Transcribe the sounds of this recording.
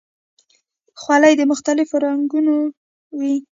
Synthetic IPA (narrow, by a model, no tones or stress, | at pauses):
xwɑləjd̪əmʊxt̪alɪfoɾaŋɡuno | wi